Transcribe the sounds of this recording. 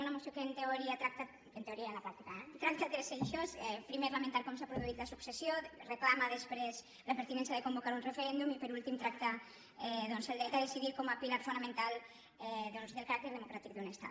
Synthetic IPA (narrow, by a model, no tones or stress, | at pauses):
unamosjokent̪eoɾiat̪ɾak̚t̪a | ent̪eoɾialapɾat̪ikaɛt̪ɾak̚t̪at̪ɾeseʃosɛpɾimeɾlament̪aɾkɔmsapɾoðuit̪lasuksesjoreklamaðespɾez | lapeɾt̪inɛnsjaðekombokaɾunrefeɾɛnd̪umipeɾult̪imt̪ɾak̚t̪a | ɛðonseld̪ejt̪aðesiðiɾkomapilaɾfunamẽnt̪al | ɛðonzðelkaɾak̚t̪eɾðemokɾat̪ik̚d̪unest̪a̰t